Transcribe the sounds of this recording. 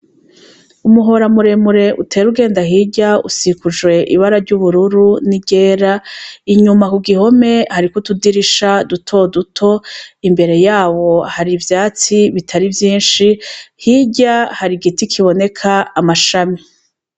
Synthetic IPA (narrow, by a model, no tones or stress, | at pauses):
umuɦo̞ɾamuɾe̞muɾe̞ʔutʰe̞ːɾuɡe̞ːndahiɟaṵsikuʒɡwe̞ʔiβaɾaɾɟuβuɾuɾuniɟe̞ːɾaiɲumakuɡiɦo̞me̞haɾikutudiɾiʃadutʰo̞dutʰo̞imbe̞ɾe̞jaːβo̞haɾivjaːt͡siβitʰaɾivjiːnʃihiɟahaɾiɡitikʰiβo̞ne̞kʰaːmaʃami